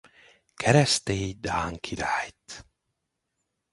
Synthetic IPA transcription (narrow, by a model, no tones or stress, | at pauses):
kʰɛɾɛst̪ed̪aːŋkʰiɾaːjt̪